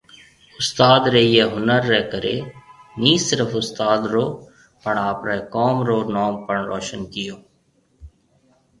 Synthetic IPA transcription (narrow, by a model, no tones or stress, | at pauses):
ʊst̪aːd̪ɾeːijeːɦʊnəɾːɛːkəɾeːniːsɪɾəfʊst̪aːd̪ɾoː | pəɳaːpɾekɔːmɾoːnɔːmpəɳɾɔːʃənkɪjoː